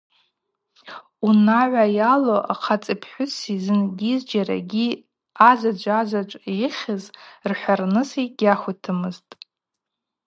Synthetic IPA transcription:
unaʕʷajaloʔa̰qʰat͡sʼɨpʰħʷᶣʊsizɨnɡʲizd͡ʒaɾa̰ɡʲi | azad͡ʒʷazʷat͡ʃʷʼeχʲɪzrħʷarnɨsiɡʲaχʷʊtʰɨmɨztʼ

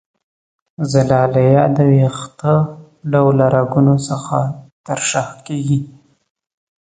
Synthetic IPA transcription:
zalɑlajɑd̪əwext̪ə | ɖawlaɾaɡunosəxat̪aɾʃaxkeɡi

